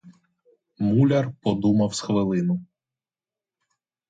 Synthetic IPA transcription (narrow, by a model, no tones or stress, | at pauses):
mulʲɐrpɔd̪umɐwsxʋɪlˠɪnʊ